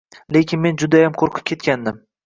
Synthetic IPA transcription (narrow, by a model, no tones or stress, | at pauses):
le̞kʲɪnme̞nd͡ʒʊd̪ajamqʰoɾqʰɨ̥p̚kʲʰe̞t̪̚kʲand̪ɪm